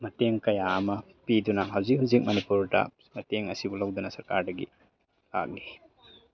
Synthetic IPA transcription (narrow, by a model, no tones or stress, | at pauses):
mɐteŋkɐjaːmɐ | pidunaɦawzik̚huzik̚mɐnipuɾda̰ | mɐteŋɐsibulawdunɐsɐɾkaɾdɐɡḭ | la̰k̚ni